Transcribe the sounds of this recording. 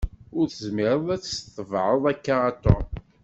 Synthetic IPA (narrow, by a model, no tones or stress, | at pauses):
ʊɾθəzmɪɾˤəðˤæt͡sːst̪ːəvʕəðˤækːaːt̪o̰